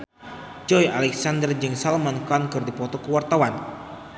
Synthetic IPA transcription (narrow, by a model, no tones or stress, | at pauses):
d͡ʒɔjalɛksandərd͡ʒɨŋsalmankɔnkɨrdipɔt̪ɔkəwart̪awan